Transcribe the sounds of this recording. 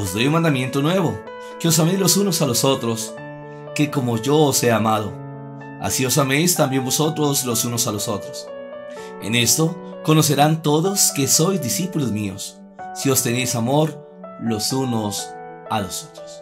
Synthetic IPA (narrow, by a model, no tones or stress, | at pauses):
ozd̪o̞junmand̪amje̞nt̪onwe̞βo̞ | ke̞o̞s̬ame̞jzlo̞sunosaloso̞t̪ɾo̞s | ke̞ko̞mo̞ʝo̞ːse̞amað̞o̞ | a̰sio̞same̞jst̪ambje̞nbo̞so̞t̪ɾo̞slo̞sunosaloso̞t̪ɾos | e̞̰ne̞st̪o̞ | ko̞no̞s̬e̞ɾant̪o̞ðo̞ske̞so̞jzd̪isipulozmio̰sː | io̞st̪e̞ne̞jsamo̞ɾ | lo̞suno̞salo̞sot̪ɾos